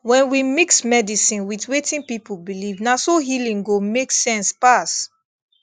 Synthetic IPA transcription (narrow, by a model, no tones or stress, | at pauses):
wɛ̃nwimiksmɛdisĩnwitwetĩnpipubilivnasoɦilĩŋɡomeksɛ̃nspas